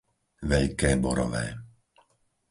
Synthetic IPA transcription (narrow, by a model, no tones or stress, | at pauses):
ʋɛʎkɛːbɔɾɔ̰ʋɛː